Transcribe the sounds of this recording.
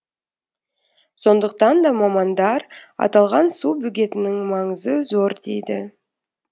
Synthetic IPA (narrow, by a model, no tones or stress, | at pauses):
so̞nd̪əq̚t̪ɑnd̪ɑmɑmɑnd̪ɑɾɑ̰t̪ɑlˠʁɑnsubʏɡʲe̞t̪ɪnɪŋmɑɴəzəzo̞ɾd̪e̞jd̪ɪ